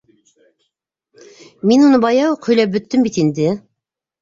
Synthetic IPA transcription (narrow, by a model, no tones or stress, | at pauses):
minunɤbɑjɑwqʰɵ̆jlʲɑp̚bɵ̆t̪ːɘmbit̪ind̪ɪ